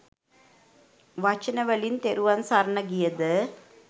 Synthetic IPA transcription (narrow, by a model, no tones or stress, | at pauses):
ʋɐt͡ʃːɐnɐʋɐɭint̪ɛɾɯʋaːnsaɾɐɳɐɡɪjɐðɯ